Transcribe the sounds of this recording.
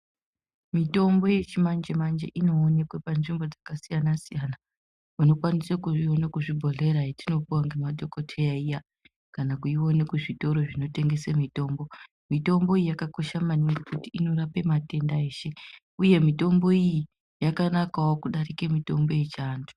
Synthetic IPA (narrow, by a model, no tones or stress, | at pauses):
mito̞mbo̞je̞t͡ʃimand͡ʒemand͡ʒḛʔino̞ːne̞kwepanʐimbo̞d͡zakasijanasijana | uno̞kwanisakuonakuʐibʱo̞ɮe̞ɾaitino̞puwaŋɡe̞mado̞ko̞tʰejaija | kanakuiwo̞nekuʐito̞ɾo̞ʐino̞te̞ŋɡe̞semito̞ːmbo̞ | mito̞mbo̞iijakako̞ʃamaniŋɡekutiino̞rape̞mate̞ndae̞ːʃe̞ | uje̞mito̞mbo̞iji | jakanakawokuɗarikemito̞mbo̞je̞t͡ʃaːntʰu̥